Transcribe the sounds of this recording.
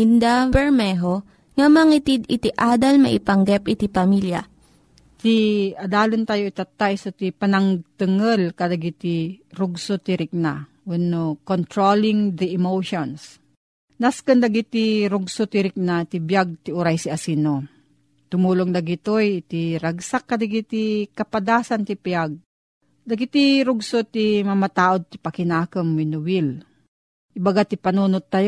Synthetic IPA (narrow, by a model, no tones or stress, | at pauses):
ind̪apɛɾmɛɦo | ŋɐmɐŋɪt̪id̪ɪt̪ɪʔaːd̪ɐlmɐ̰ʔɪpɐŋɡɛpʔɪt̪ipɐmilja̰ | t̪iɐd̪aːlɪnt̪aːjoit̪at̪ːajsot̪ipɐnɐŋt̪ɨŋəlkɐd̪ɐɡit̪iɾʊɡsot̪ɪɾɪk̚na | wunokont̪ɾolɪŋd̪ɐɪmowʃons | naskɨnd̪ɐɡit̪iɾʊɡsot̪ɪɾɪk̚nat̪ibjaɡ̚t̪iʊɾajsiasino | t̪ʊmuːloŋd̪ɐɡit̪ojt̪iɾaɡsakːad̪aɡit̪ikɐpad̪aːsant̪ɪpjaɡ̚ | d̪ɐɡit̪iɾʊɡsot̪imɐmat̪aːʔod̪̚t̪ɪpakɪnaːkəmwɪnʊwil | ʔɪbaɡat̪ɪpɐnuːnot̪ːaj